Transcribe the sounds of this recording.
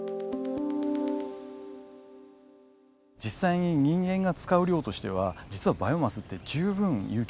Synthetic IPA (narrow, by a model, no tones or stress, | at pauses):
d͡ʑisːaiɲ̟iɲĩŋɡẽ̞ŋɡat͡sɨ̥kaɯ̟ɾʲo̞ːt̪o̞ɕi̥t̪e̞β̞ad͡ʑit͡sɨβabajomasɨt̪ːe̞d͡ʑɨːbɯ̟̃ŋjɯ̟ː